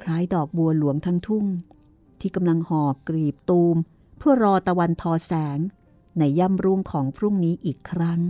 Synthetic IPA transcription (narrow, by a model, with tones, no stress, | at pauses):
kʰɾaː˦˥jdɔː˨˩k̚bu˧ɐlu˨˩˦əŋt̪ʰa˦˥ŋt̪ʰu˥˩ŋ | t̪ʰiː˥˩ka˧mla˧ŋhɔː˨˩kɾiː˨˩p̚t̪uː˧m | pʰɯ˥˩ɐɾɔː˧t̪a˧wa˧nt̪ʰɔː˧sɛː˩˦ŋ | na˧jːaː˥˩mɾu˦˥ŋkʰɔː˩˦ŋpʰɾu˥˩ŋniː˦˥ʔiː˨˩kʰːɾa˦˥ŋ